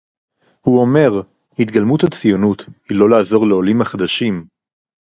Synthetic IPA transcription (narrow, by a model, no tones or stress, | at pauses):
huo̞me̞ʁ | hit̪ɡalmuthat͡sijonut̪hilo̞laːzo̞ʁle̞o̞limaχad̪aʃim